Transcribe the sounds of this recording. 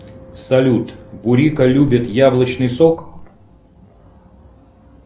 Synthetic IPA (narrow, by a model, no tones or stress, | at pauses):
sɐlʲut̪bʊɾʲikəlʲubʲɪt̪jablˠət͡ɕnɨjsok